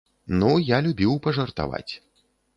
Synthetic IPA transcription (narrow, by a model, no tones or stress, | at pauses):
nujalʲubʲiwpɐʐɐrt̪a̰va̰t͡sʲ